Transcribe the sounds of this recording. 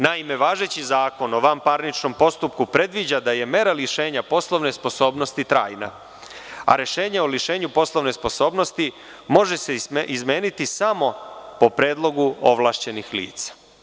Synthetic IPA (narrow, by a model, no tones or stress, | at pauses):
naime̞ʋaːʒe̞t͡ɕizaːko̞noʋampaɾnit͡ʃno̞mpo̞st̪upkupɾe̞d̪ʋid͡ʑad̪aje̞me̞ɾaliʃeːɲapo̞sloʋne̞spo̞so̞ːbno̞st̪it̪ɾa̰ːjna̰ | a̰ɾe̞ʃe̞ːɲaoliʃe̞ːɲupo̞slˠoʋne̞spo̞so̞ːbno̞st̪i | mo̞ʒe̞seʔizme̞ːnit̪isamo̞po̞pɾeːd̪lˠo̞ɡuo̞̰ʋlˠaːʃt͡ɕe̞nixlḭːt̪sḁ